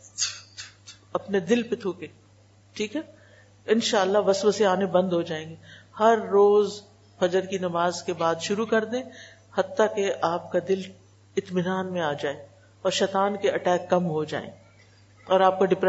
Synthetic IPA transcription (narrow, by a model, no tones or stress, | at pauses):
ɐpned̪ɪlpet̪ʰuːkẽː | ʈʰiːkɦɛː | ɪnʃaːəlːaɦʋɐsʋəseaːnebɐ̃nd̪ɦod͡ʒaːẽːŋɡehɐɾːoːz | fɐd͡ʒəɾkinɐmaːzkebaːd̪ʃʊɾukɐɾd̪ẽː | hɐt̪ːakeʔaːpkad̪ɪl | ɪt̪mɪnaːnmẽaːd͡ʒaːeː | ɔːɾʃɛːt̪aːnkeʔɐʈɛːkːɐmɦod͡ʒa̰ːḛ̃ː | ɔːɾaːp̚kaɖɪpɾ